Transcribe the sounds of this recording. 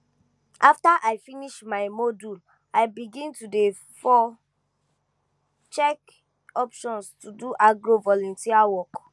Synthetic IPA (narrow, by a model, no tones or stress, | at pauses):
ʔaftaʔajfiniʃmaɪmodul | aɪbiɡĩntude | fɔ | t͡ʃɛk | ɔpʃɔ̃nstuduʔaɡɹovɔlɔ̃ntiawɔk